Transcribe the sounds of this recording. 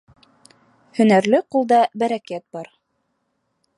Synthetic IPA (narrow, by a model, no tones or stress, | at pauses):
hɵ̆næɾlɘqulˠd̪ɑbæɾækæt̪̚bɑɾ